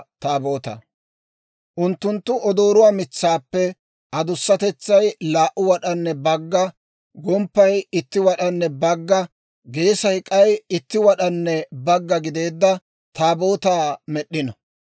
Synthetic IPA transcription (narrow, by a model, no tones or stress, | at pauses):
t̪aːbo̞ːt̪ɐ̰ | ʔʊnt̪ːʊnt̪ːʊʔɔd̪o̞ːɾʊwaːmɪt͡sːaːpːɛ | ʔɐd̪ʊsːɐt̪ɛt͡sːɐjlaːʔʊwɐɗɐnːɛbɐɡːɐ | ɡɔmpːɐjɪt̪ːɪwɐɗɐnːɛbɐɡːɐ | ɡe̞ːsɐkʼɐjɪt̪ːɪwɐɗɐnːɛbɐɡːɐɡɪd̪e̞ːd̪ːɐ | t̪aːboːt̪aːmɛɗːɪnɐ